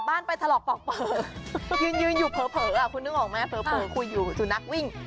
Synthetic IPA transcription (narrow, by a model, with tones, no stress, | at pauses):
baː˥˩npa˧jt̪ʰa˧lɔː˨˩pɔ˨˩k̚pʰɤː˨˩˦jɯː˧njɯː˧njuː˨˩pʰɤː˩˦pʰɤː˩˦ʔa˨˩kʰu˧nɯ˥˩ŋʔɔː˨˩k̚ma˦˧˥pʰɤː˨˦pʰɤː˩˦kʰu˧jːuː˨˩suː˨˩na˦˥k̚wi˥˩ŋ